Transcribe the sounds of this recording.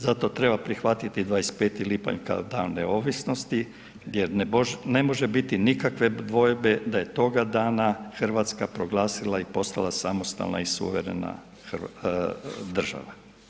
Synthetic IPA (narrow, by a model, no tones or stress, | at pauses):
zat̪o̞t̪ɾe̞bapɾixʋat̪it̪id̪ʋajespe̞ːt̪ilipa̰ɲka̰od̪aːnːeo̞ːʋisno̞st̪i | jeɾnne̞mo̞ʒebit̪inikakʋe̞d̪ʋo̞jbe̞d̪aje̞t̪o̞ɡad̪aːnaxr̩ʋat̪skapɾo̞ɡlˠaːsilˠaipo̞st̪alˠasamo̞st̪a̰lˠna̰isṵʋeɾe̞̰na̰ | xr | d̪r̩ʒa̰ʋa